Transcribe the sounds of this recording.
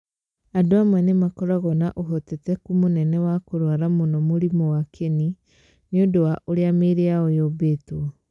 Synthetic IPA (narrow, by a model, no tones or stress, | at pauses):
adoamwɛnemakɔɾaɣɔnaʔoɦotetɛkumonɛnɛwakoɾwaɾamonɔmoɾimɔwakʰeni | neodowaʔoɾeameɾeaojobetoɔ